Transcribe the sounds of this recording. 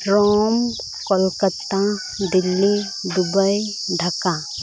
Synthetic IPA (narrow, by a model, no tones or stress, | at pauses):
ɾɔːm | kɔlkət̪ːa | d̪ɪlːi | d̪ʊbəj | ɖʱəka